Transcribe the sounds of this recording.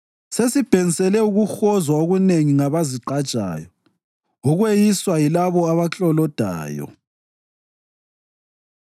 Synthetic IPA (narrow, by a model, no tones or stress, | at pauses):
sesib̥ʱeŋisɛlɛuɣuxɔzwaoɣuneŋiŋaβaziǃḁt͡ʃʼa̰ːjɔ | uɣwejiswajilaβɔaβaɬɔlɔd̥ʱa̰ːjɔ̰